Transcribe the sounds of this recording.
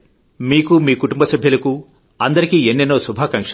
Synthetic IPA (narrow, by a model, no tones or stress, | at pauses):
miːkumiːkuʈumbɐsɐbʱjɐlɐku | ɐnd̪ɐɾikiːenːenːoːsubʱaːkɐŋkʂ